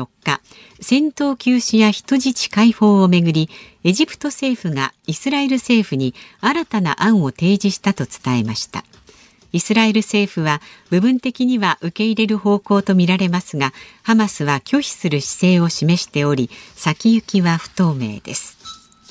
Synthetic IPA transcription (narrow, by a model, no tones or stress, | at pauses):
o̞kːa | sẽ̞nt̪o̞ːkʲɨːɕijaçi̥t̪o̞ʑit͡ɕi̥kaiho̞ːome̞ɡɯ̟ɾʲie̞ʑipɯ̟̥t̪o̞se̞ːɸɯ̟ɡa̰isɨɾae̞ɾɯ̟se̞ːɸɯ̟ɲ̟iaɾat̪ana̰ʔãɰ̃o̞t̪e̞ːd͡ʑiɕi̥t̪at̪o̞t͡sɨ̥t̪ae̞maɕi̥t̪a̰ | isɨɾae̞ɾɯ̟se̞ːɸɯ̟βab̥ɯ̟bɯ̟̃nt̪e̞kʲiɲ̟iβaʔɯ̟ke̞iɾe̞ɾɯ̟ho̞ːko̞ːt̪o̞mʲiɾaɾe̞masɨɡahamasɨβakʲo̞çi̥sɨɾɯ̟ɕi̥se̞ːo̞ɕime̞ɕi̥t̪e̞o̞ɾʲisakʲijɯ̟kʲiβaɸɯ̟̥t̪o̞ːme̞̰ːd̪̥e̞̰sɨ̥